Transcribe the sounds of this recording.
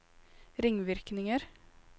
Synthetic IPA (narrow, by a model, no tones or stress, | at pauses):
ɾɪŋʋɪɾknɪŋəɾ